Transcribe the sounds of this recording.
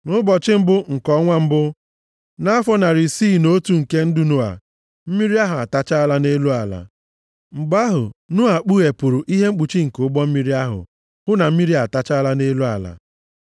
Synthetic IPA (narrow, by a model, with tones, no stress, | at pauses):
nʊ˦bɔ˨t͡ʃɪ˦m̩˦bʊ˦ŋ̩˨kɔ˦ŋʷa˦m̩˦bʊ˦ | na˦a˦fɔ˦na˨ɾi˨siː˦˨no˦tu˨ŋ̩˨ke˦n̩˦dʊ˦nu˨a̰˨ | m̩˦mi˦ɾi˦a˦ɦʊ˨a˨ta˦t͡ʃa˦la˦ne˦lu˦a˨la̰˨ | ŋ͡m̩˨ɡ͡ba˦ɦʊ̰˨nʊ˦a˨k͡pu˦e˨pʊ˨ɾʊ˨ʔi˦ɦe˦ŋ͡m̩˦k͡pu˨t͡ʃi˦ŋ̩˨kʊ˦ɡ͡bɔ˦m̩˦mi˦ɾi˦a˦ɦʊ̰˨ | hʊ˦na˨m̩˦mi˦ɾi˦a˨ta˦t͡ʃa˦la˦ne˦lu˦a̰˨la̰˨